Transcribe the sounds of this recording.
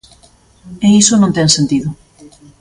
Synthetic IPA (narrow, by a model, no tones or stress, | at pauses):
eisonõnt̪ɛŋsent̪iðʊ